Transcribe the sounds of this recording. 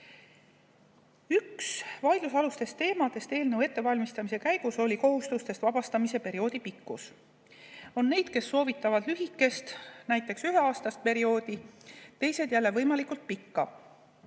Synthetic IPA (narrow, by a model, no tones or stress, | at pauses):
yksvɑjd̪lusɑlust̪e̞st̪e̞ːmɑd̪e̞st̪e̞ːlnɤwe̞t̪ːe̞vɑlʲmist̪ɑmise̞kæjɡ̥uso̞lʲiko̞ɦust̪ust̪e̞st̪vɑb̥ɑst̪ɑmise̞pe̞ɾio̞ːd̪̥ipikːus | o̞nːe̞jd̪̥ke̞sːo̞ːvit̪ːˑɑvɑd̪lyɦikːˑe̞st̪næjt̪ːˑe̞ksyɦe̞ɑːst̪ɑst̪̚pe̞ɾio̞ːd̪̥it̪e̞jse̞d̪jælːe̞vɤjmɑlikːˑult̪̚pikːɑ